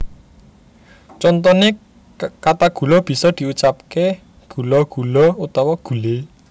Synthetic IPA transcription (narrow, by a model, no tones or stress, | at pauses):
t͡ʃɔnt̪ɔne | kat̪aɡ̥ṳlɔb̥i̤sɔd̪̥i̤ut͡ʃap̚ke | ɡ̥ṳlɔɡ̥ṳlɔut̪ɔwɔɡ̥ṳle